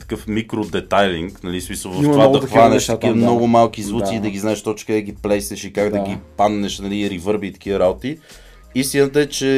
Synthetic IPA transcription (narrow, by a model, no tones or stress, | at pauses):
t̪ə̥kɤfmikɾod̪ɛt̪ajliŋknɐlismisəlˠvɐt̪vad̪ɐxvanɛʃt̪tk̪iəmnɔɡomalˠkizvut̪siːd̪ɐɡiznaɛʃt̪ɔt͡ʃkəd̪ɛɡʲiplɛjsɛʃikaɡd̪ɐɡʲipad̪nɛʃnɐliɾivɤɾbiːt̪ɐ̥k̟ivəɾabot̪i | ist̪inət̪əɛt͡ʃɛ